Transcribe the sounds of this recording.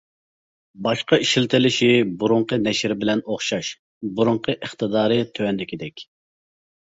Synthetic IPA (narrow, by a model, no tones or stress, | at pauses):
bɑʃqɑiʃilt̪ʰɪlɪʃibuɾʊɴqənɛʃɾbɪlɛnoχʃɑʃ | buɾuɴqʰəʔəχt̪ɨd̪ɑːɾɨt̪ʰøwɛnd̪ɪkʲid̪ɛkʲ